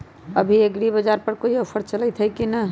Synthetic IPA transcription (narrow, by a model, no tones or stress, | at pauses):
ə̰bʱieɡɾibəd͡ʒaɾpəɾkoiəpʰəɾt͡ʃələt̪ʰɦəjkinə